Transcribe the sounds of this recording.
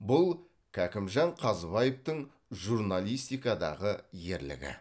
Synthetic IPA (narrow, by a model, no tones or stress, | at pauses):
bʊlˠ | kʲʰækʲɪmʒɑɴqʰɑzbɑjeft̪əɴ | ʒuɾnalˠijst̪ijkɑd̪ɑ̰ʁəje̞ɾlɪ̰ɡʲɪ̰